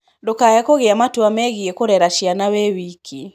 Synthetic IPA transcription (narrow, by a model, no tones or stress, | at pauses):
dokajakoɣeamatwamɛɣiekoɾɛɾaʃjanawewikʰi